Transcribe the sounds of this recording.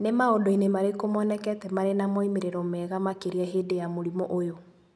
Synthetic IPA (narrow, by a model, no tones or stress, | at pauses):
nemaodɔinemaɾekomɔnɛkɛtɛmaɾenamɔimeɾeɾɔmɛɣamakeɾiɛɦedejamoɾimɔʔojo